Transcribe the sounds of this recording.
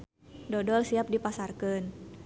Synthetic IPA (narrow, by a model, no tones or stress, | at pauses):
dɔdɔlsiap̚dipasarkən